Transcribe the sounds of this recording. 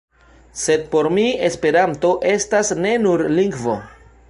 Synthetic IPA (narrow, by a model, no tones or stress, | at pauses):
se̞d̚po̞ɾmie̞spe̞ɾanto̞ʔe̞stasne̞nuɾliŋɡvo̞̰